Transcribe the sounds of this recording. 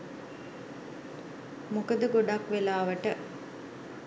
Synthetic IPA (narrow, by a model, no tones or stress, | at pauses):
mukəd̪əɡoɖakʋelaːʋəʈə